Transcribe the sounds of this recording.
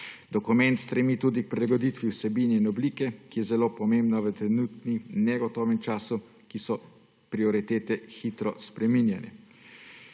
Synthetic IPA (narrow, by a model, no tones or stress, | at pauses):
d̪̥ɔkumɛnt̪st̪ɾɛmiːt̪uːd̪ik̚pɾɛlaɡɔd̪it̪ʋiwsɛbiːnɛinɔbliːkɛkijɛzɛloːpɔmembnaʋət̪ɾɛnut̪ninɛɡɔt̪ɔːʋɛmt͡ʃaːsu | kisɔ | pɾiɔɾit̪eːt̪ɛxiːt̪ɾɔspɾɛminjɛnɛ̰